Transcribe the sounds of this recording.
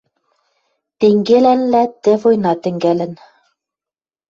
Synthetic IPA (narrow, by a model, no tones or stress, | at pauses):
t̪eŋɡelænlæt̪ɘ̆vojnɑt̪ɘ̆ŋɡælɘ̆n